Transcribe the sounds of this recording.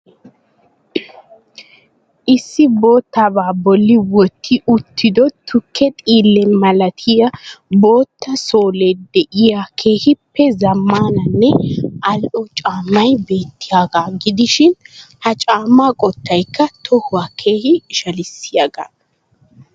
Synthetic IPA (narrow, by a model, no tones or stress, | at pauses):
ʔɪsːɪbo̞ːt̪ːabaːbɔlːɪwɔt̪ʰːɪʔʊt̪ʰːɪd̪ɔt̪ʰʊkʰːɛt̪ʼiːlːɛmɐlɐt̪ʰɪjɐbo̞ːt̪ːɐso̞ːleːd̪ɛʔɪjakʰeːhɪpːɛzɐmːaːnɐnːɛʔɐlʔɔt͡ʃʼaːmːɐjbe̞ːt̪ːɪjaːɡaːɡɪd̪ɪʃɪnhɐt͡ʃʼaːmːaːkʼɔt̪ːɐjkːɐt̪ʰɔhʊwakʰe̞ːhɪʃɐlɪsːɪjaɡa̰ː